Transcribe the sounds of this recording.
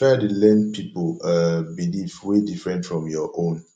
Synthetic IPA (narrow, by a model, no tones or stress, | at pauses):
atulɛnpʰipolabilivwedifɹɛ̃ntfɹɔ̃mjɔʔõn